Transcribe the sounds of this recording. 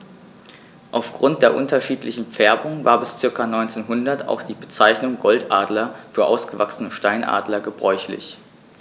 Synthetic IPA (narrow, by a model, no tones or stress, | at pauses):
ʔaʊfɡ̥ʁʊnt̚d̥eːɐʔʊntɐʃiːtlɪçn̩p͡fɛɐbʊŋvaːɐbɪst͡sɪɐkanɔʏnt͡seːnɦʊndɐtʰa̰ʊxd̥iːbət͡saɪçnʊŋɡɔltʔaːdlɐfyːɐʔa̰ʊsɡ̥əvaksənəʃtaɪnʔa̰ːdlɐɡəbʁɔʏçlɪ̰ç